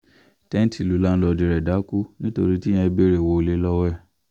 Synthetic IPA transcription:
tɛ̃˦n˦ti˨lu˨˦la˦n̩˦lɔ˧di˨ɾɛ˨da˨˦ku˦nĩ˦to˧ɾi˦ti˦j̃ɛ̃˧˦be˦˨ɾe˨wo˧o˧le˦lɔ˦wɛ˦˨

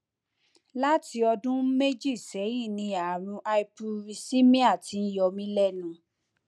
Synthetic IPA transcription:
la˦ti˧ɔ˧dũ˦me˦d͡ʒi˦˨sɛ˨˦jĩ˦˨nĩ˧a˨ɾ̃ũ˧ʔa˧i˦˧pu˧ɾi˧si˦mĩ˦a˦˨ti˧n̩˦jɔ˧mĩ˧˦lɛ˦˨nũ˨˦

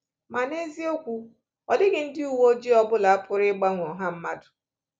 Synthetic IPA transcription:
ma˨ne˦zi˦o˦kʷu˦ | ɔ˨dɪ˦ɡɪ˨n̩˦dɪ˦u˨wo˦d͡ʒi˦ɔ˦bʊ˦la˨a˦pʰʊ˨ɾɪ˦ɡ͡ba˦ŋʷ˨ɔ˨ɦa˦m̩˦ma˦dʊ̥˨

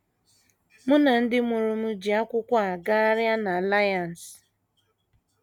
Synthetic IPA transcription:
mʊ˦na˨n̩˦dɪ˦mʊ˨ɾʊ˨m̩˦d͡ʒi˨a˦kʷʊ˦kʷa˦˨ɡa˦ɾja˦na˨la˦ja˨n̩˨s

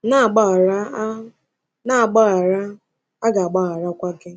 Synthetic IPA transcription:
na˦˨ɡ͡ba˦˨ɾa˦ | na˦a˨ɡ͡ba˦ɣa˨ɾa˦ | a˦ɡa˨a˨ɡ͡ba˦ɣa˨ɾa˦kʷa˦ɡɪ˦

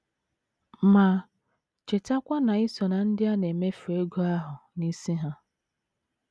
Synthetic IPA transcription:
ma˨ | t͡ʃe˨ta˦kʷa˦na˨ɪ˦sɔ˨na˨n̩˦dɪ˦a˦ne˨me˦fu˨e˦ɡo˦a˦ɦʊ˨ni˦si˦ɦa˦

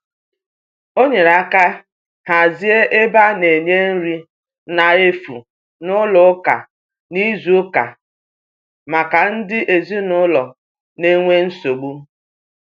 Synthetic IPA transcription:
o˦ɲe˨ɾa˦ka˦ | ha˨zi˦e˦ʔe˦ba˦ne˨ɲe˦n̩˦ɾi˦ | na˨e˦fṵ˨ | nʊ˦lɔ˦ka̰˨ | ni˦zu˨˦ʊ˦ka̰˨ | ma˨ka˨n̩˦dɪ˦ʔe˨zi˦nʊ˦lɔ˨ | ne˦ŋʷe˦n̩˦so˨ɡ͡bu˦

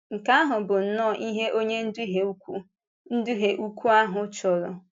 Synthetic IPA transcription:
ŋ̩˨ka˦ɦʊ˨bʊ˨n̩˨nɔː˦˨ʔi˦ɦe˦ʔo˦ɲe˦n̩˦du˦ɦe˨u˦kʷu˦ | n̩˦du˦ɦe˨ʔu˦kʷu˦a˦ɦʊ˨t͡ʃɔ˨ɾɔ˨

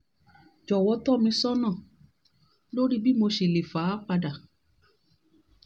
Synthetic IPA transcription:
d͡ʒɔ˨wɔ˧tɔ˦˨mĩ˧sɔ˦nã˦˨ | lo˦ɾi˦bi˦mo˧ʃe˨le˨fa˨˦k͡pa˧da˨

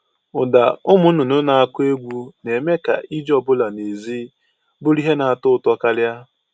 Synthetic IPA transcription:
ʊ˨da̰˨ʊ˦mʊ˦nʊ˨nʊ˦na˨a˦kʊ˦e˦ɡʷu˦ne˨me˦ka̰˨ʔi˦d͡ʒɔ˨bʊ˦la˨ne˨zi˦ | bʊ˦ɾi˦ɦe˦na˨a˨tʊ˦ʊ˨tɔ˦ka˦lja˦

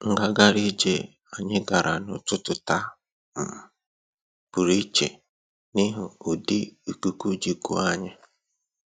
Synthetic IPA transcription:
ŋ̩˨ɡa˦ɡa˨ɾi˦d͡ʒe˨ | a˨ɲɪ˦ɡa˨ɾa˨nʊ˨tʊ˦tʊ˨ta˦ | m̩˨ | b̥u˨ɾi˦t͡ʃḛ˨ | ni˦ɦʊ˨ʊ˨di˦u˨ku˨ku˦d͡ʒi˨ku˦a˦ɲɪ˦

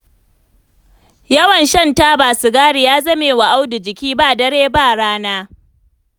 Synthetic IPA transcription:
jɐ˦wɐ˨nʃɐ˦˨nta˦baː˨su˨ɡaː˦ɽi˨jaː˦zɐ˦meː˨wa˨ʔa˦wdʊ˨d͡ʒɪ˨kʲiː˦ba˦dɐ˦ɽeː˦ba˦˨ɽaː˦naː˦

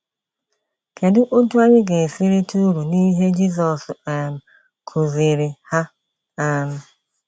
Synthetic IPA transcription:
kʰe˨dɪ˦ʔo˦tu˦a˦ɲɪ˦ɡe˨si˦ɾi˦tu˦ɾu˨ni˦ɦe˦d͡ʒi˦sɔ˨sm̩˨ | kʰo˨zi˨ɾɪ˨ha˦ | a˦m̩˦

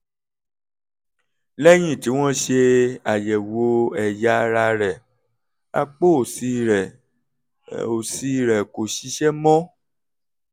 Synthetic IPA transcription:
lɛ˦j̃ĩ˦˨ti˨˦w̃ɔ̃˦ʃe˧a˨jɛ˨wo˨˦ɛ˨ja˨˦˧ɾa˧ɾɛ˨ | a̰˧k͡po˦˨si˧˦ɾɛ˨ | o˨si˧˦˨ɾɛ˨ko˨ʃi˨˦ʃɛ˦mɔ̃˦

